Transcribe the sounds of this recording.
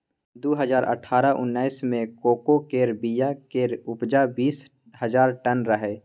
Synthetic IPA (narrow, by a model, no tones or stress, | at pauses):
d̪oɦəzaːɾʔə̰ʈʰaːɾaʔʊ̰nːaːismẽkoːkokeːɾbijakeːɾʊpd͡ʒabiːs | həzaːɾʈənɾəɦeː